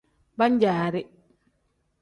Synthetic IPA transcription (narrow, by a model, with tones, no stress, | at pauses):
ba˦ɲd͡ʒaː˨ɾi